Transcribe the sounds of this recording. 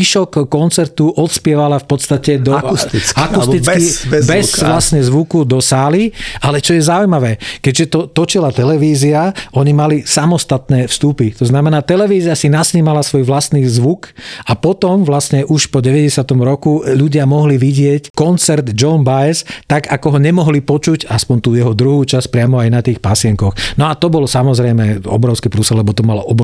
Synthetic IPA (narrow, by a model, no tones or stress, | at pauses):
iʃɔkːɔnt͡sɛɾt̪uʔɔt̪spɪɛʋalafpɔt̪st̪acɛd̪ɔst̪it͡skakust̪it͡skibɛzʋlastɲɛzʋukud̪ɔsaːlialɛt͡ʃɔjɛzaujmaʋɛːkɛɟʒɛt̪ɔt̪ɔt͡ʃilat̪ɛlɛʋiːziaʔɔɲimalisamɔst̪at̪nɛːfst̪upit̪ɔznamɛnaːt̪ɛlɛʋiːziasinasɲiːmalasʋɔjʋlast̪niːzʋukapɔt̪ɔmʋlasɲɛʔuʃpɔɟɛʋɛɟɛsɪat̪ɔmɾɔkuʎuɟɪamɔɦliʋiɟɪɛckɔnt͡sɛɾd̪d͡ʒɔnbajɛst̪aɡakɔɦɔɲɛmɔɦlipɔt͡ʃucaspɔnt̪uːjɛɦɔd̪ɾuɦuːt͡ʃas̚pɾɪamɔajnat̪iːxpasɪɛŋkɔxnɔat̪ɔbɔlsamɔzɾɛjmɛɔ̰bɾɔʊskipɾusɛllɛbɔt̪ɔmalɔʔɔb